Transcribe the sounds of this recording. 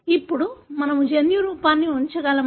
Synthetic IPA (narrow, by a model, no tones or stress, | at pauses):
ipːuɽumɐnɐmud͡ʒenjuɾuːpaːnːiuɲt͡ʃɐɡaːlɐ